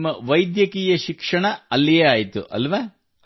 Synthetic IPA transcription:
mːɐʋɐjd̪jɐkiːjɐʃikʂɐɳɐɐlːeaːjt̪ṵʔɐ̰lʋɐ

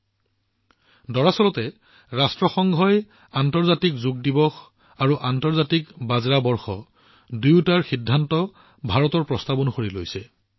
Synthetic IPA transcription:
dɔɹasɔlɔtɛ | ɹastɹɔxɔŋɡʱɔj | antɔɹzatikzuɡdibɔx | aɹuʔantɔɹzatikbazɹabɔɹxɔ | duwtaɹxidʱːantɔ | bʱaɹɔtɔɹpɹɔstabɔnxoɹilojsɛ

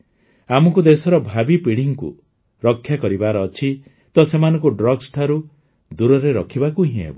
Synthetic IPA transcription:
amɔkud̪esɔɾɔbʱabipiɽiŋkṵ | ɾɔkʰːjakɔɾibaɾɔːt͡ʃʰi | t̪ɔsemanɔ̃ŋkuɖɾɔɡsʈʰaɾu | d̪uɾɔɾeɾɔkʰibakuɦĩɦḛbɔ

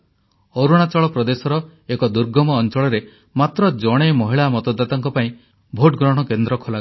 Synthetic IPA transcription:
oɾuɽ̃at͡ʃɔɭɔpɾɔd̪esɔɾɔekɔd̪uɾɡɔmɔːnt͡ʃɔɭɔɾe | mat̪ɾɔd͡ʒɔɽ̃emɔɦiɭamɔt̪ɔd̪ːat̪ɔŋkɔpaĩ | bʱoʈɡɾɔɽ̃ɔkend̪ɾɔkʰola

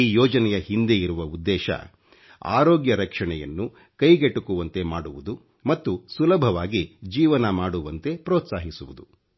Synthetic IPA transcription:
iːjɔːd͡ʒɐnɛjɐhind̪e̞iɾuʋɐud̪ːɛːʃɐ̰ | a̰ːɾoːɡjɐɾɐkʂɐɳɛjɐ̰nːu | kɐjɡeʈːukuʋɐnt̪e̞maːɽuʋud̪u | mɐt̪ːusulɐbʱɐʋaːɡid͡ʒiːʋɐnɐmaːɽuʋɐnt̪e̞pɾɔːt̪saːɦisuʋud̪u

